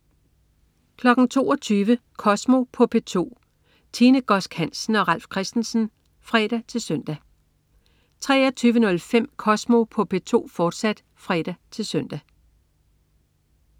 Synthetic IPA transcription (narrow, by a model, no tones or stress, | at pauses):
kʰlɒ̽ɡ̥n̩t͡sʰo̝ːɒt͡sʰyːʋəkʰɒ̽smo̝pʰɒ̽pʰe̝t͡sʰo̝̰ː | t͡sʰiːnəɡ̥ɒ̽sɡ̥hæn̰sn̩ɒ̽ʁɑl̰fkʰʁɛsd̥n̩sn̩ | fʁɛːɾ̥æt͡sʰe̝lsœn̰d̥æ | t͡sʰʁɛ̰ːɐt͡sʰyːʋənɔ̽lfem̰kʰɒ̽smo̝pʰɒ̽pʰe̝t͡sʰo̝̰ːfɒːd̥sæd̥ | fʁɛd̥æt͡sʰe̝lsœn̰d̥æ